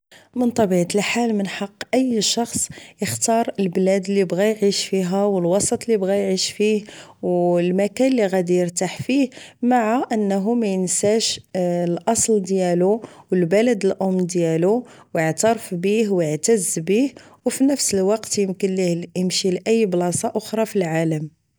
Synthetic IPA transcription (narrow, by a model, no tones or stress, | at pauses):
mənt̪ˤɑbiʕt̪əlħalmənħɑqːʔəjːʃɑxsˤjəxt̪ɑɾˤəlblæd̪lːibɣæjʕiʃfiɦæwəlwɑsˤɑt̪ˤlːibɣæjʕiʃfihwlmækænlːiɣæd̪ijəɾt̪aħfihmaʕaʔənːɦumæjənsæʃlʔɑsˤld̪jæluwəlbæləd̪əlʔʊmːd̪jælu | wjəʕt̪ɑɾˤəfbihwəʕt̪əzbih | wfinəfsəlwɑqt̪jəmkənlijəmʃilʔæjːblɑsˤɑʔoxɾˤɑfilʕaləm